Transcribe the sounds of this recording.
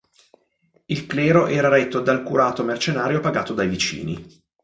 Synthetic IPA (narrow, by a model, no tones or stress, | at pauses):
ilklɛːɾoʔɛːɾaɾet̪ːod̪alkuɾaːt̪omert͡ʃenaːɾjopaɡaːt̪od̪ajvit͡ʃḭːnḭ